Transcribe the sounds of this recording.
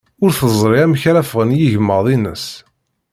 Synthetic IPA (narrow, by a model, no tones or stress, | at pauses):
ʊɾθəzˤɾˤiæmçæɾæfʁənjiʝəməðˤinəs